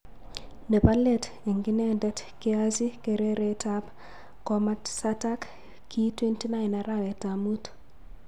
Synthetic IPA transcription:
nepalɛt | eŋɡinɛndɛtkiazikeɾeɾetap | kɔmatsatak | kːitwentinainaɾawɛtamut

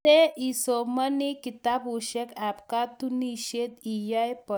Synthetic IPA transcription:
eisomanikit̪abuɕekapkat̪uniɕed̪ijajpə

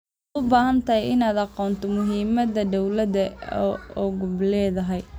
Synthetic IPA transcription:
ʊbaːɦɐnt̪ʰɐhɛjɪnaːd̪ɑqɔːnt̪ʰɔmʊɦiːmɐd̪ɐd̪ɔwlɐd̪ɐ | ɔɣʊblɛːðɐɦɛj

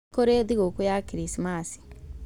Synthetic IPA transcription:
koɾeðiɣokujakiɾisimasi̥

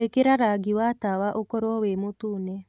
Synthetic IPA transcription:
ekeɾaɾaɡiwatawaʔokɔɾwɔwemotuːnɛ

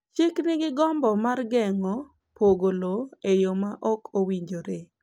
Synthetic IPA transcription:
t͡ʃɪknɪɡɪɡɔmbɔmarɡɛŋɔ | poɡoloejomaʔɔkʰowiɲd͡ʒoɾe

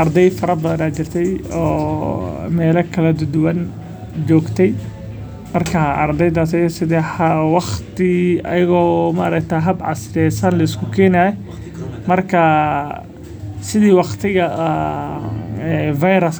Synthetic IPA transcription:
ɐrd̪ɛjfɐɾɐbɐðɐnaːt͡ʃɪrt̪ʰɛjɔ̰ː | mɛːlɐkʰɐlɐd̪ʊd̪ʊwɐn | d͡ʒɔːɡt̪ʰɛj | mɐrkʰɐʔɐrd̪ɛjd̪aːs̬ɐjsɪðɛħɐwɑχt̪ɪɐ̰jɪɣɔːmɐʔːɾɐkt̪ʰaːɦɐbʕɑ̰sɾɛjsɐnlɐɪskʰʊkʰɛːnaːj | mɐrkʰɐ | sɪðiːwɑqt̪ʰɪɣɐʔ | ɛvajɾɐs

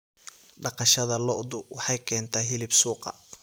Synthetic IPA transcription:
ɖɑqɑʃɐðɐlɔʔd̪ʊwɑħɑjkʰɛːnt̪ʰɐɦɪlɪbsuːqɑ̰

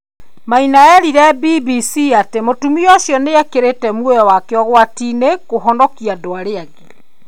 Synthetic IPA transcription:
mainaɛɾiɾɛbibisiatemotumiɔɕjɔneakeɾetɛmwojɔwakeɔɣwatinekoɦɔnɔkiadoaɾeaɣe

